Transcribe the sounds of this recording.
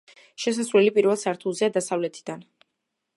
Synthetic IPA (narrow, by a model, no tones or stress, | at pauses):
ʃɛs̬asɾulɛlipʼiɾvɛlˠsaɾt̪ʰuzɛad̪asavlɛt̪ʰi̥d̪an